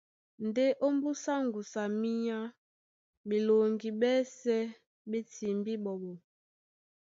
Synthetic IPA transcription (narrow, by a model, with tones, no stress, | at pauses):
n˨de˦ʔo˦m˦bu˦sa˦ŋɡu˨sa˨mi˦ɲa˦ | be˨lo˨ŋɡi˨ɓɛ˦sɛ˦ | ɓe˦ti˨mbi˦ɓɔ˨ɓɔ˨